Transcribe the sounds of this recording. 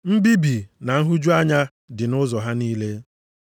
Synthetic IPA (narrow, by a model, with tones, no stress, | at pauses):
m̩˦bi˦bi˨na˨ŋ̩˦ɦu˦d͡ʒu˦a˦ɲa˦ | dɪ˨nʊ˦zɔ˨ɦa˦niː˦le˦